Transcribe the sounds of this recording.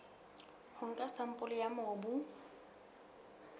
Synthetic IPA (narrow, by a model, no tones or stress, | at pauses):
hʊŋ̩kʼasam̩pʼʊlɪjamɔbu